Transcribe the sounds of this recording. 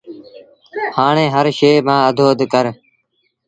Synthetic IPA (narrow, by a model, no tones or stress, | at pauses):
haːɳẽːɦəɾʃeːmãːəd̪ʱoːd̪kəɾ